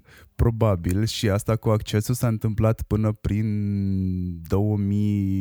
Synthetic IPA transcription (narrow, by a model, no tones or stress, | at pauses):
pɾo̞babilʃiast̪akuakt͡ʃe̞sulsaɨnt̪ɨmplat̪pɨnəpɾin | d̪o̞wəmi